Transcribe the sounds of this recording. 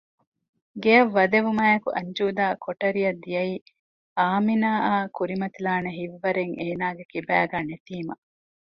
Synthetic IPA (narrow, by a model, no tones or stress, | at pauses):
ɡeɐʋːɐd̪eʋumaːjɐkuʔɐɲd͡ʒuːd̪aːkoʈɐɾijɐd̪ːijɐiː | aːminaːʔaːkuɾimɐt̪ilaːneɦiʋːɐɾeŋeːnaːɡekibæːɡæːnet̪iːmɐ